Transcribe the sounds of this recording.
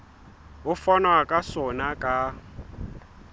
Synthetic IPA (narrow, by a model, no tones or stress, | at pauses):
ʊfanwakʼasɔnakʼa